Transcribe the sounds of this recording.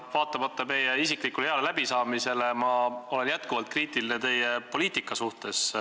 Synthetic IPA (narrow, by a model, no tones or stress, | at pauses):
vɑːt̪ːˑɑmɑt̪ːˑɑme̞jeisikˑlikːuleeɑlelæb̥isɑːmise̞le̞mɑo̞le̞njæt̪kuvɑlt̪̚kriːt̪ˑilinet̪e̞jepo̞liːt̪ˑikːˑɑsuht̪e̞s